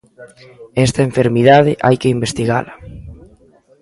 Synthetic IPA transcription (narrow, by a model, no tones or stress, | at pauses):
ɛst̪ɐeɱfeɾmiðaðɪʔa̰jkɪimbest̪iɣa̰lɐ